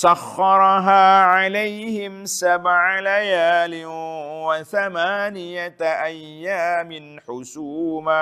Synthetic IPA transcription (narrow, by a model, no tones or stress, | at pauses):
saxːɑɾˤɦaːʕalajhɪmsabʕalajaːlɪwaθamaːnɪjaʔajːaːmɪnħʊsuːma